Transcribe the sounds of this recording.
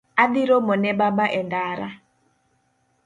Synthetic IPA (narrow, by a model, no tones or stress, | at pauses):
adiɾɔmɔnɛbabaʔɛndaːɾa̰